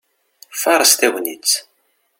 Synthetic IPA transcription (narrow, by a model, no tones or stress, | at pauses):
fɑɾˤəst̪æwnit͡sː